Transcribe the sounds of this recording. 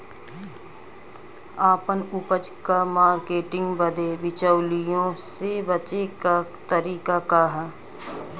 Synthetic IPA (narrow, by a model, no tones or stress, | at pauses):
aːpənʊpəd͡ʒkamaːɾkeːʈɪ̃ŋɡbəd̪eʋɪt͡ʃəʊlijõsebət͡ʃekat̪əɾiːkakaɦɛː